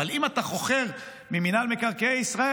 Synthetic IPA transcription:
alimat̪aχo̞χe̞ʁ | miminalmekaʁkeeisʁae

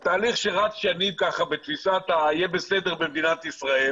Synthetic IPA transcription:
t̪aːliχʃeʁat͡sʃanimkaχabet̪fisat̪ajebesed̪eʁbemd̪inat̪isʁael

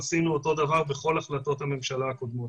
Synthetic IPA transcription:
asinuoto̞d̪avaʁbeχo̞laχlato̞thame̞mʃalaːko̞d̪mo̞t

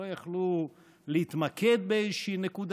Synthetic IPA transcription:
ojaχlu | leit̪make̞d̪̚beezʃiːnekud̪

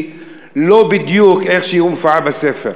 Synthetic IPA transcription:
lobid̪jukeχʃejiumfabasefḛʁ

